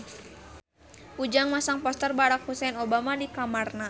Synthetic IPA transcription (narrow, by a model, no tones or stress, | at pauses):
ʔud͡ʒaŋmasaŋpɔst̪ərbaɾak̚husɛnobamadikamarna